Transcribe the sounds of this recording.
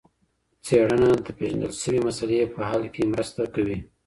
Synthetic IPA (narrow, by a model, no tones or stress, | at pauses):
t͡seɽənad̪əpeʒand̪ə̰lʃəwemasalepəhalkemɾəst̪akawi